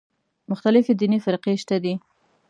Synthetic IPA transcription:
mʊxt̪alɪfed̪inifɪɾqeʃt̪ad̪i

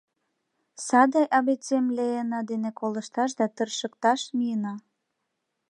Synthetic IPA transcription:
sɑd̪ɑjʔɑβet͡semlejənɑd̪enekolə̆ʃt̪ɑʃ̬d̪ɑt̪ərʃə̆kt̪ɑʃmijənɑ

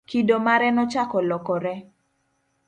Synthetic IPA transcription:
kidomaɾɛnɔt͡ʃakɔlɔkɔɾɛ

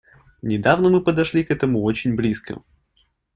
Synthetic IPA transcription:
nʲɪd̪avnəmɨpəd̪ɐʂlʲikɛt̪əmuot͡ɕɪnʲblʲiskə̰

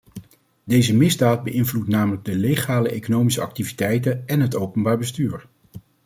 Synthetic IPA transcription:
dejzəmɪzdaːd̚bəʔɪnvlutnaːmələɡ̚dəleχaːləʔejkonowmisəɑ̰k̚tivitɛjtənɛnɦətowpənbaːɹbəstyːɹ

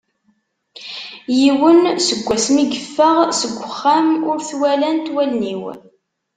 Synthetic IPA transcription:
jiwənsəɡʷːæsmiɡəfːəʁsəɡʷːəχːamʊɾθwælænt̪wælniw

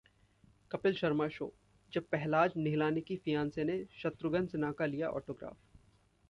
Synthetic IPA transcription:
kɐpɪlʃɐɾmaʃo̰ː | d͡ʒɐb̚pɛɦlaːd͡ʒnɪɦɪlaːnikifijãːnseneʃɐt̪ɾʊɡənsɪnaːkalijaʔɔ̰ːʈoːɡɾa̰ːf

